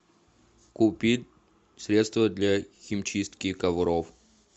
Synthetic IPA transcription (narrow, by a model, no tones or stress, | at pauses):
kʊpʲitʲ | sɾʲet̪st̪vəd̪lʲaxʲɪmt͡ɕist̪kʲɪkɐvʊɾof